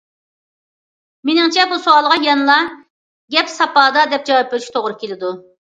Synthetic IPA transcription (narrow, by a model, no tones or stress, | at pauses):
menɪŋt͡ʃʰɛbusoɑlˠəʁɑjɛnlˠɑ | ɡʲɛpsɑpɑːd̪ɑd̪ɛp̚d͡ʒɑwɑp̚beɾɪʃt̪ʰoʁɾɨkʲelɪd̪u